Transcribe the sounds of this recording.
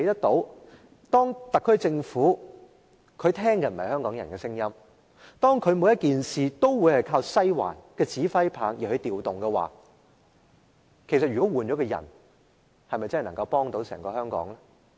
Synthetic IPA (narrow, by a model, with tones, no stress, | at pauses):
jt̪ɐ˥k̚t̪o˨˧˥w | t̪ɔː˥ŋt̪ɐ˨kʰːɵ˥ɥt͡sɪ˧ŋfuː˨˥ | kʰɵ˨˧ɥt̪ʰɛː˥ŋkɛ˧m̩˨˩hɐ˨jhœː˥ŋkɔː˨˥ŋjɐ˨˩nkɛː˧sɪ˥ŋjɐ˥m | t̪ɔː˥ŋkʰɵ˨˧ɥmu˨˥jɐ˥t̚kiː˨nsiː˨t̪o˥wwu˨˧jhɐ˨˩jkʰaː˧wsɐ˥jwa̰ː˨˩nkɛː˧t͡siː˨˥fɐ˥jpʰaː˨˥ŋjiː˨˩hɵ˧ɥt̪iː˨wt̪ʊ˨ŋkɛ˧wa̰ː˨ | kʰe˨˩sɐ˨t̚jyː˨kɔ˨˥wuː˨˩nt͡ʃɔː˨˥kɛː˧jɐ̰˨˩n | hɐ˨jmɐ˨jt͡sɐ˥hnɐ˨ŋkɐ˧wpɔː˥ŋt̪o˨˧˥wsɛ̰ː˨˩ŋkɔː˧hœː˥ŋkɔ̰ː˨˥ŋlɛ˥